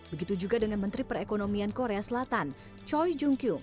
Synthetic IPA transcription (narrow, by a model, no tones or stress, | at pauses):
bəɡit̪ud͡ʒuɡadəŋanmənt̪ɾipəɾekonomiankoɾeasəlat̪an | t͡ʃɔjd͡ʒuŋkjuŋ